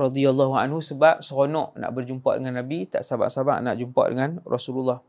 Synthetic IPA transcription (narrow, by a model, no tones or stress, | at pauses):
ɾɑd̪ialːaɦua̰nɦusəbap̚səɣonɔʔna̰ʔbərd͡ʒumpa̰ʔdəŋanːabit̪aʔsaba̰ʔsaba̰ʔna̰ʔd͡ʒumpa̰ʔdə̰ŋanrʔɔsululːɑh